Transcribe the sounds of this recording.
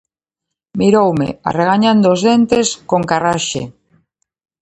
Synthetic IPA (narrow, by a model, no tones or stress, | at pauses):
miɾowmḛa̰reɣ̞aɲand̪oːzðent̪eskoŋkaraʃḛ